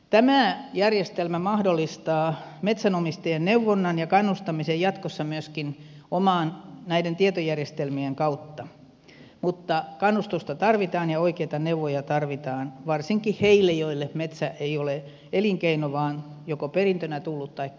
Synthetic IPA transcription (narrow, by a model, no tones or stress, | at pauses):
t̪æmæˑjærjest̪elmæmɑhdolːˑist̪ɑːmet̪sænomist̪ɑjenneuʋːonːɑnjɑkɑnːust̪ɑmisejjɑt̪kosːɑmyøskinomɑːnnæident̪iet̪ojærjest̪elmieŋkɑut̪ːɑ | mut̪ːɑkɑnːust̪ust̪ɑt̪ɑrʋit̪ɑːnjɑoikeit̪ɑneuʋojɑt̪ɑrʋit̪ɑːnʋɑrsiŋkihheilːejoilːemet̪sæʔeiole | ʔeliŋkeinoʋɑːnjokoperint̪ønæt̪ulːut̪t̪ɑikː